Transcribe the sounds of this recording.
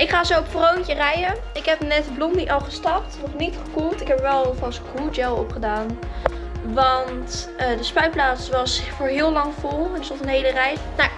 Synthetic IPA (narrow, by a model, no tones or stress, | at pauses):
ʔɪkχaːzoɔpfrowncərɛjə | ɪkɦɛpnɛtblɔmdiʔɑlˠχəstɑp̚tnɔχnitχəkulˠtɪkɦɛpʋɛlˠfɑskudɛlˠɔ̰pχədaːn | ʋɑntədəspœɥplaːtsʋɑsfʊːɹɦɪːlˠɑŋfɔlˠɛnsɔtənɦejlərɛjna